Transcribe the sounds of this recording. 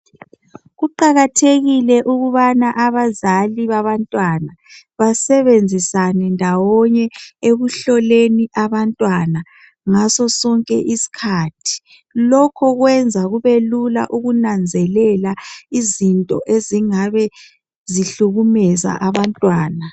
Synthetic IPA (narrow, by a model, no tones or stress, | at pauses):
ɣuǃaɣatʰeɣilɛʔuɣuβanaʔaβazaliβaβantʼwana | βasɛβend͡zʱisanɛndʱawɔɲɛeɣuɬɔleniʔaβantʼwana | ŋasɔsɔŋkʼɛ̰ʔisi̥kʰaːtʰi̥ | lɔkʰɔɣwɛnd͡zʱaɣuβelula̰ʔuɣunand͡zʱɛlɛlaizintʼɔ̰ʔeziŋaβɛ | ziɬuɣumɛza̰ʔaβantʼwaːna